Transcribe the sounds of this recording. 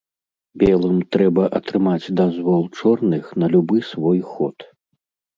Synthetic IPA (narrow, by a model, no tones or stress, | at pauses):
bʲɛlˠɨmt̪ɾɛbɐʔɐt̪ɾɨmad͡zʲd̪azvɔlˠt͡ʂɔrnɨxnɐlʲubɨsvɔjxɔt̪